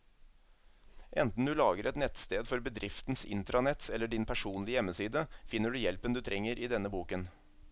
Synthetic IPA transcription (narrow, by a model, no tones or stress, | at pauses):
ʔɛ̰nt̪n̩d̪ʉːlɑːɡəɾʔɛt̪nɛt̪st̪eːd̪fɔɾbəd̪ɾʔɪft̪n̩sɪ̰nt̪ɾɑnɛt̪ɛlːəɖɪnpʰæʂuːnlɪəjɛmːəsiːd̪əfɪnːəɖʉːjɛlpənd̪ʉːt̪ʰɾʔɛŋːəɾʔiːd̪ɛnəbuːkən